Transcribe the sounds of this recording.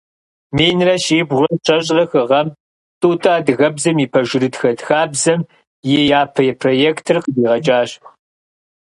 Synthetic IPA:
meːjnrɐɕeːbʁʷɐɕʰɐɕʼrɐxɨʁɐm | tʼuːtʼaːdɨɣɐbzɐmiːpʰɐʒɪɾɨdxɐdxaːbzɐm | jɛjaːpʰɐjɛpʰroːjeːktʰɨrqəbiːʁɐt͡ʃʼaːɕ

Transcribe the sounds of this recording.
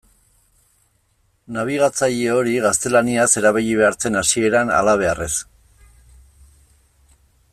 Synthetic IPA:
naβ̞iɣat͡saʎeo̞ɾiɣast̪e̞laniase̞ɾaβiʎiβe̞aɾt͡se̞nasie̞ɾana̰laβ̞e̞are̞s

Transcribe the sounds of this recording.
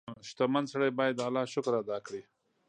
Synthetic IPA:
ʃt̪amansaɽajbɑjad̪alɑʃʊkɾad̪ɑkɽi

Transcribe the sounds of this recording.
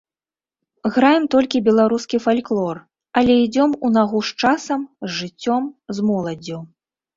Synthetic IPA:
ɣɾajɛmt̪ɔlʲkʲibʲɛlˠaɾuskʲifalʲklˠɔr | ɐlʲɛid͡zʲɔmunaɣuʂt͡ʂasɐmzʐɨt͡sʲːɔmzmɔlˠɐd͡zʲju

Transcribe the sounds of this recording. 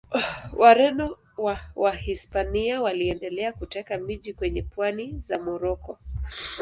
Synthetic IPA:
waɾɛnɔ | wawahispaniawaliɛndɛlɛakutɛkamiʄikwɛɲɛpwanizamɔɾɔkɔ

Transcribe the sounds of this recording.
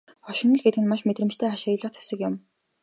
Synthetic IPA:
χɔʃɪ̆nɞ̆ɮɡet̪̚ɡɘ̆nmaʃmet̪rɘ̆mt͡ɕt̪ʰeːaʃajə̆ɮə̆χt͡sʰæ̥sɘ̆kjʊm

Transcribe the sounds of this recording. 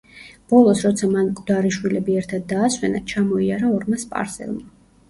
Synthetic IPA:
b̥ɔlˠɔsɾɔt̪sʰamankʼd̪aɾiʃwilɛbiɛɾt̪ʰad̪̚ːaːswɛnat͡ʃʰamɔiaɾaɔɾmaspʼa̰ɾsɛ̰lˠma

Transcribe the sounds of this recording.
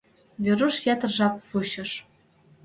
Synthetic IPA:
βʲeɾuʃjɑt̪ɤ̆rʒɑp̚vuɕɤ̆ʃ

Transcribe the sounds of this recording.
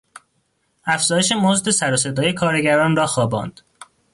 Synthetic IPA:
æfz̥ɒːjeʃe̞mozd̪e̞sæɾose̞d̪ɒːje̞kʰɒːɾe̞ɟæɾɒːnrɒːxɒːbɒ̰ːnd̪̥

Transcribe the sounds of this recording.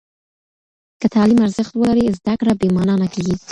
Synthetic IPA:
kət̪ʰɑlimaɾzəxt̪wəlaɾizd̪akɽabemɑnɑnakeɡi

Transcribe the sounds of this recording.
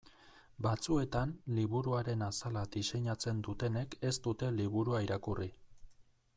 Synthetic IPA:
bat͡sue̞t̪anliβuɾuaɾe̞nasalad̪ise̞ɲat͡se̞nd̪ut̪e̞ne̞ke̞st̪ut̪e̞liβ̞uɾuaiɾakuri

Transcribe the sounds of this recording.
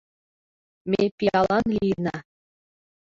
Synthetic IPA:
mʲepʲiɑlˠɑnlʲinɑ

